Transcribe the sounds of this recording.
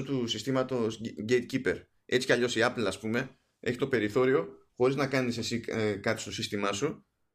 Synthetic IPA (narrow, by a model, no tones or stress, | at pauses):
ot̪usist̪imɐt̪o̞sɟejt̪̚cipe̞ɾ | et͡si̥cɐʎo̞siɐplɐspume̞ | e̞çi̥t̪o̞pe̞ɾiθo̞ɾio̞ | xo̞ɾiznɐkɐnisesikɐpjo̥stosist̪imɐsu